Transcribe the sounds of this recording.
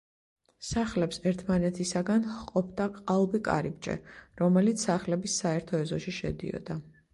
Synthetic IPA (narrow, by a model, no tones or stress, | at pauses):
saχlɛpsɛɾt̪ʰmanɛt̪ʰisaɡanqʼɔp̚ʰd̪aqʼalˠbikʼa̰ɾib̚t͡ʃʼɛ̰ɾɔmɛlit̪sʰsaχlɛbisːaɛɾt̪ʰɔɛzɔʃiʃɛ̰d̪ḭɔ̰d̪a